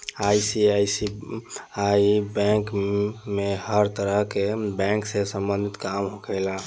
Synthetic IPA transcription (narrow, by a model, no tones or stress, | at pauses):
ajsiajsi | aibɛ̃kmehəɾt̪əɾəɦkebɛ̃ŋksẽsə̃mbə̃nd̪ʱit̪kamɦokəjla